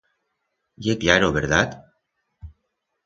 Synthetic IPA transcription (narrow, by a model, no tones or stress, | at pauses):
jekʎaɾoβeɾðat̪